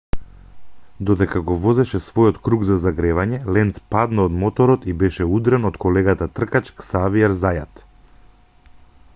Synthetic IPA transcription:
d̪ɔd̪ɛkaɡɔvɔzɛʃɛsvɔjɔt̪kɾuɡzazaɡɾɛvaɲɛlɛnt̪spad̪naod̪mɔt̪ɔɾɔt̪ibɛʃɛud̪ɾɛnɔt̪kɔlɛɡat̪at̪r̩kat͡ʃksaviɛɾzajat̪

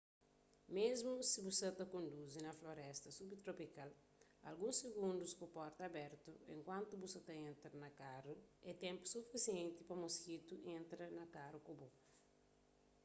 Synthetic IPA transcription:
mezmusibusɐt̪ɐkõnd̪uzinɐfloɾɛst̪ɐsubt̪ɾopikal | ɐ̰lɡũseɡũnd̪uskupɔɾt̪ɐbɛɾt̪uḛ̃ŋkwãnt̪ubusɐt̪ɐẽnt̪ɾɐnɐkaruɛt̪ɛ̃mpu̥sufisiẽnt̪ipɐmoskit̪uʔẽnt̪ɾɐnɐkaɾukobo

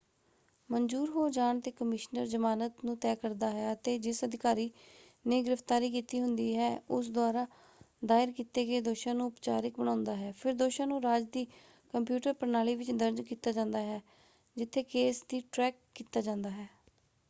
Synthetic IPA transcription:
mənd͡ʒuːɾɦoːd͡ʒaːɳt̪eːkəmɪʃnəɾzəmaːnət̪nũːt̪ɛːkəɾd̪aːɦɛːət̪eːd͡ʒɪsəd̪ɪkaːɾiː | neːɡɪɾəft̪aːɾiːkiːt̪iːɦʊnd̪iːɦɛːʊs̬d̪ʊaːɾaː | d̪aːɪɾkiːt̪eːɡeːd̪oːʃãːnũːʊpt͡ʃa̰ːɾɪk̚bəɽ̃ãːʊnd̪aːɦɛːpʰɪɾd̪oːʃãːnũːɾaːd͡ʒd̪iː | kəmpjuːʈəɾpənaːliːʋɪt͡ʃd̪əɾd͡ʒkiːt̪aːd͡ʒãːnd̪aːɦɛː | d͡ʒɪt̪ʰːeːkeːsd̪iːʈɾɛːkːiːt̪aːd͡ʒãːnd̪aːɦɛː

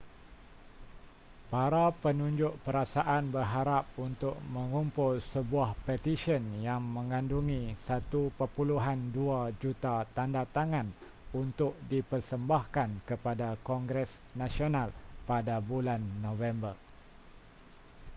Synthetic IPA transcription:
paɾapənũɲd͡ʒʊʔpəɾasaʔanbərɦaɾap̚unt̪ʊʔ̚mə̃ŋumpʊlsəbuahpɛt̪iʃiənjaŋmə̃ŋanduŋĩsat̪upəpuluɦanduad͡ʒut̪at̪andat̪aŋãn | unt̪ʊʔ̚dipərsəmbahkankəpadakɔŋɡɾɛs | nãsionalpadabulanːõvɛmbər

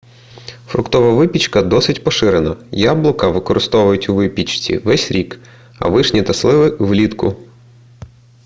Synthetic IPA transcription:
fɾʊ̰kt̪ɔʋɐʋɪpʲit͡ʃkɐd̪ɔsɪtʲpɔʃɪɾenɐjablˠɔkɐʋɪkɔɾɪst̪ɔʋʊjʊtʲʊʋɪpʲit͡ʃt͡sʲḭʋɛsʲɾʲik | ɐ̰ʋɪʃnʲit̪ɐslˠɪʋɪʋlʲit̪kʊ̰

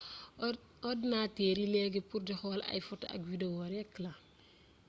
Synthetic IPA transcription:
ɔdnateːɾilɛɡɛpuɾdixɔla̰jfɔta̰ɐ̰kwidewɔɾɛkːlɐ

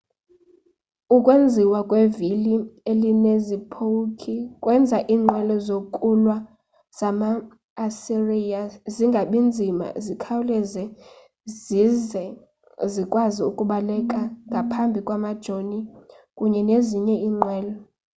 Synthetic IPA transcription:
ukʼwend͡zʱiwakʼwevilielinezipʰokʰikʼwɛnd͡zʱaʔiːŋ͡ǃʱwɛlɔzokʼulwa | z̥amaː | sirijaziŋɡʱaɓind͡zʱima̰zikʰawulɛzɛ | zizɛ | zikʼwaziukʼuɓalɛkʼaŋɡʱapʰambʱikʼwamad̥ʒ̥ʱonikʼuɲɛneziɲɛiːŋ͡ǃwɛːlɔ

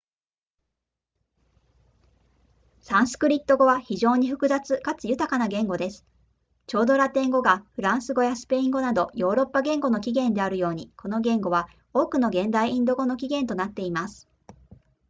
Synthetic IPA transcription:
sãɰ̃sɨ̥kɯ̟ɾʲit̪ːo̞ɡo̞βaçiʑo̞ːɲ̟iɸɯ̟̥kɯ̟zat͡sɨkat͡sɨjɯ̟t̪akanaɡẽ̞ŋɡo̞d̪e̞sɨ̥ | t͡ɕo̞ːd̪o̞ɾat̪ẽ̞ŋɡo̞ɡaɸɯ̟ɾãɰ̃sɨɡo̞jasɨ̥pe̞ĩŋɡo̞nad̪o̞jo̞ːɾo̞pːaɡẽ̞ŋɡo̞no̞kʲiɡẽ̞nd̪e̞aɾɯ̟jo̞ːɲ̟iko̞no̞ɡẽ̞ŋɡo̞βa | o̞ːkɯ̟no̞ɡẽ̞nd̪aiĩnd̪o̞ɡo̞no̞kʲiɡẽ̞nt̪o̞nat̪ːe̞imasɨ̥

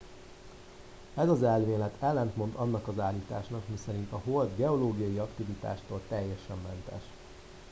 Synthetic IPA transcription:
ɛzɒzɛlmeːlɛt̪ʰɛlːɛnt̪mo̞nd̪ɒnːɒkɒzaːlːiːt̪aːʃnɒkmisɛɾint̪ɒɦold̪ɡɛo̞loːɡijɒjiɒkt̪ivit̪a̰ːʃt̪oːlt̪ɛjːɛʃɛmːɛnt̪ɛ̰ʃ

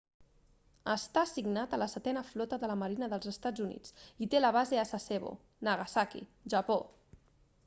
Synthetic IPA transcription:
əst̪asiɡnat̪ələsət̪ɛnəflɔt̪əðələməɾinəðəlˠzəst̪ad͡zunḭt͡sit̪eləβ̞azeasaseβo̰ | nəɣasakḭʒəpo

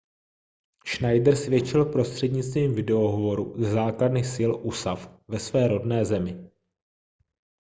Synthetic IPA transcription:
ʃnajdɾ̩svjɛt͡ʃɪlpɾo̞st̪r̝̥ɛdɲɪt͡st̪viːmvɪdɛo̞ɦovo̞ɾuzɛzaːkladnɪxsɪlʔusafvɛsvɛːɾo̞dnɛːzɛmɪ

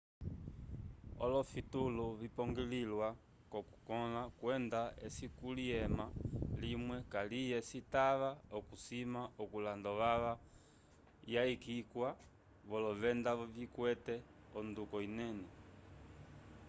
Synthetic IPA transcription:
ɔ̰lɔfituluβipɔŋɡililwa | kɔku̥kɔlakwɛndaesikuliɛmalimwɛkalijɛsitaʋaɔkusimaɔkulandɔʋaʋa | jaikikwa | βɔlɔʋɛndavikwɛtɛ | ɔndukɔinɛnɛ

